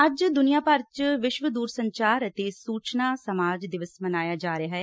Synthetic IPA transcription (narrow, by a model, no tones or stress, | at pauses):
əd͡ʒd̪ʊnijaːpəɾt͡ʃʋɪʃʋəd̪uːɾsəɲt͡ʃaːɾət̪eːsuːt͡ʃnaːsəmaːd͡ʒd̪ɪʋəsmənaːjaːd͡ʒaːɾeaːɦɛː